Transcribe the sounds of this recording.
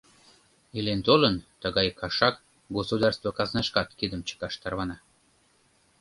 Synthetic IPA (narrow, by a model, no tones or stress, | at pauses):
ilent̪olənt̪əɣɑjkʰɑʃɑk | ɡosud̪ɑrst̪vokɑznɑʃkɑt̪kid̪əmt͡ɕə̥kɑʃt̪ɑrβɑnɑ